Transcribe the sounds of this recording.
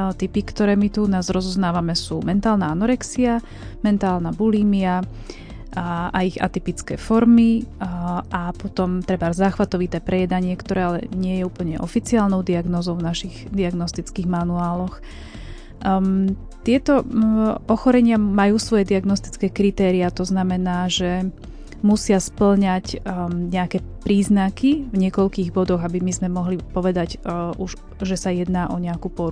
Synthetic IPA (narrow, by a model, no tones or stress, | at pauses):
t̪ipikt̪ɔɾɛːmit̪unaːzɾɔzɔznaːʋamɛsuːmɛnt̪aːlnaanɔɾɛksia | mɛnt̪aːlnabuliːmia | aiɣa̰t̪ipit͡skɛ̰ːfɔɾmi | apɔt̪ɔmt̪ɾɛbaɾzaːxʋat̪ɔʋit̪ɛːpɾɛjɛd̪aɲɪɛkt̪ɔɾɛːalɛ̰ɲɪɛjɛuːpl̩ɲɛʔɔ̰fit͡siaːlnɔʊd̪iaɡnɔːzɔʊvnaʃiɣd̪iaɡnɔst̪it͡skiːɣmanuaːlɔx | t̪ɪɛt̪ɔ | ɔxɔɾɛɲɪamajuːsʋɔjɛd̪iaɡnɔst̪i̥t͡skɛːkɾit̪ɛːɾiat̪ɔznamɛnaːʒɛ | musɪaspl̩ɲacɲɛakɛpɾiːznakivɲɪɛkɔʎkiːɣbɔd̪ɔɣabimizmɛmɔɦlipɔʋɛd̪aɟuʒ | ʒɛsajɛd̪naːʔɔɲɛakupɔɾ